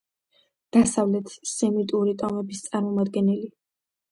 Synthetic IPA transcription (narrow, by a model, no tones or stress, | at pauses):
d̪̥asavlɛt̪ʰsɛmit̪ʼuɾit̪ʼɔmɛbist̪sʼaɾmɔmad̪ɡɛnɛli